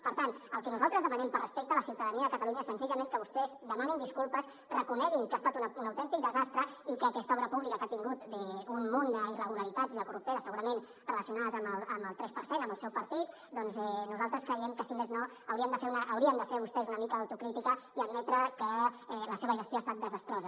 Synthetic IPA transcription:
pəɾt̪anəlˠkɛnuzalˠt̪ɾəzðəmanɛmpərəspek̚t̪ələsiwt̪əðəniəðəkət̪aluɲəsənziʎəmẽŋkəβust̪ɛzd̪əmanind̪iskulˠpəs | rəkunɛɣiŋkast̪at̪ununəwt̪ɛnt̪ik̚d̪əzast̪ɾəikəːkɛst̪əɔβɾəpuβlikəkat̪iŋɡut̪ɛummond̪əirəɣ̞uləɾit̪adziðəkurup̚t̪eɾəsəɣuɾəmen | rələsiunaðəzəməlˠəməlˠt̪ɾɛspəɾsenəməlˠsɛwpəɾt̪it̪̚ | d̪ɔnzɛnuzalˠt̪ɾəskɾəjɛmkəsimezno | əwɾiənd̪əfeɾunəʔəwɾiəmd̪əfeɾβust̪ɛzunəmikəːwt̪ukɾit̪ikəiəd̪̚mɛt̪ɾəkəɛləseβəʒəst̪joast̪at̪̚d̪əzəst̪ɾɔzə

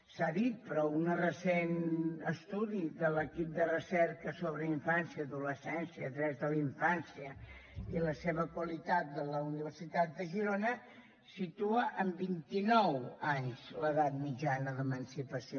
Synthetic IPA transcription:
saðit̪̚pɾɔunərəsenəst̪uðiðələkip̚d̪ərəsɛrkəsoβɾəiɱfansiəːðuləsɛnsiəːt̪ɾɛzðəliɱfansiə | iləseβəkwəlit̪at̪̚d̪ələuniβərsit̪at̪̚d̪əʒiɾonə | sit̪uəʔəmbint̪inɔwaɲz̥ləðat̪̚mid͡ʒanəðəmənsipəsio

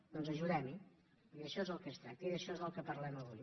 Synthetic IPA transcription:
d̪ɔnzəʒuðɛmi | iiəʃɔezəlˠkɛst̪ɾak̚t̪əiðəʃɔezəlˠkəpəɾlɛməβ̞uj

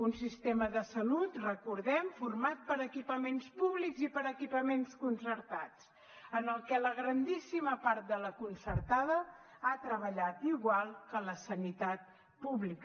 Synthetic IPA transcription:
unsist̪eməðəsəlut̪rəkuɾðɛmfuɾmat̪̚pəɾəkipəmenspuβlikzipəɾəkipəmenskunsəɾt̪at͡s | ənəlˠkɛləɣɾənd̪isiməpaɾt̪̚d̪ələkunsəɾt̪aðə | at̪ɾəβəʎat̪iɣwalˠkələsənit̪at̪̚ | puβlik

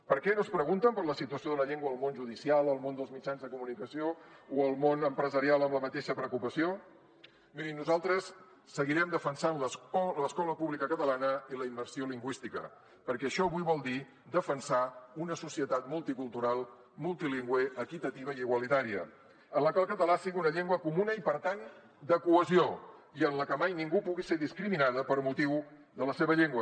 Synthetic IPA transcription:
pəɾkɛnospɾəɣunt̪əmpəɾləsit̪uəsijoðələʎeŋɡwəːlˠmonʒuð̞isialˠəlˠmond̪əlˠzmid͡ʒanzðəkumunikəsiouəlˠmonəmpɾəzəɾialˠəmləmət̪eʃəpɾəkupəsio | miɾimnuzalˠt̪ɾəsː | əɣiɾɛmd̪əfənsanlələskɔləpuβlikəkət̪əlanəiləimbəɾsioliŋɡwist̪ikə̰ | pəɾkɛəʃɔəβuiβɔlˠd̪i | d̪əfənsaunəsusiət̪at̪mulˠt̪ikulˠt̪uɾalˠ | mulˠt̪iliŋɡweəkit̪ət̪iβ̞əiiɣwəlit̪aɾiə̰ | ənləkwalˠkət̪əlasiɣiunəʎeŋɡwəkumunəipəɾt̪an | d̪əkuəzioiənləkəmajniŋɡupuɣiseðiskɾiminaðəpəɾmut̪iwðələseβəʎeŋɡwə

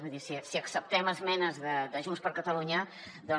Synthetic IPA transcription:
əðisisiəksəp̚t̪ɛməzmɛnəzðəd̪əʒunspəɾkət̪əluɲə | d̪ɔ

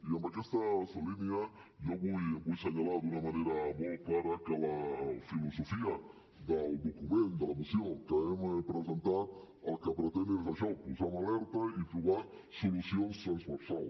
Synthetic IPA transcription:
iambakɛst̪aslinia | joβujbujseɲalad̪unamaneɾaβolkaɾakalafilosofia | ðald̪okumẽnt̪d̪əlamisjoŋkaemepɾesent̪a | alkapɾet̪ɛnd̪eelsasalpusaunalɛɾt̪aipɾoβa | solusijonst̪ɾanzβeɾsal

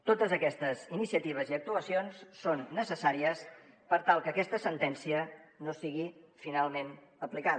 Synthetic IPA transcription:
t̪ot̪əzəkɛst̪əzinisiət̪iβ̞əziək̚t̪uəsionsːonːəsəsaɾiəs | pəɾt̪alˠkəːkɛst̪əsənt̪ɛnsiənosiɣifinalˠmenəplika

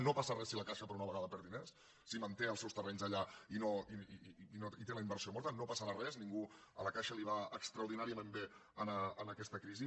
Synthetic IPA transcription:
nopasərɛsiləkaʃəpəɾunəβəɣaðəpɛɾðinesː | imənt̪eəlˠsɛwst̪ərɛɲzəʎainoinoit̪eləimbəɾsiomɔɾt̪ənopəsəɾarɛzniŋɡu | ə̰ləkaʃəliβ̞aəkst̪ɾəwɾðinaɾiəmembeənəənəkɛst̪əkɾizi

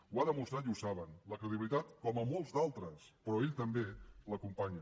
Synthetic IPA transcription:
uaðəmust̪ɾat̪iusaβənləkɾəðiβilit̪at̪kɔməmɔlˠzd̪alˠt̪ɾəspɾɔeʎt̪əmbeləkumpaɲə

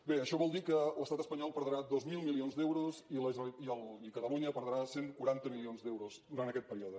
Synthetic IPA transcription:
beəʃɔβɔlˠd̪ikələst̪at̪əspəɲɔlˠpəɾðəɾad̪ozmilˠmilionzd̪ɛwɾuziləziəlikət̪əluɲəpəɾðəɾaseŋkuɾant̪əmilionzd̪ɛwɾozd̪uɾant̪əkɛt̪̚pəɾioðə

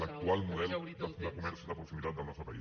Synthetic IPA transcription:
lək̚t̪ualˠmuðɛld̪əd̪əkumɛɾsiðəpɾuksimit̪at̪̚d̪əlnɔst̪ɾəpɐi

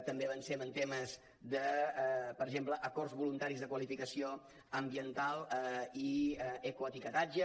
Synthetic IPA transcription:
t̪əmbeβənsemənt̪eməz | dəpəɾəʒempləʔəkɔrzβulunt̪aɾizðəkwəlifikəsio | əmbiənt̪alˠiəkuət̪ikət̪ad͡ʒə

